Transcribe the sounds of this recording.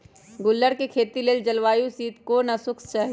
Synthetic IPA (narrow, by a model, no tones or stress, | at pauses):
ɡʊlːəɽkekʰeːt̪ileːld͡ʒɐlʋaːjũsiːt̪koːnɐsʊkst͡ʃaɦ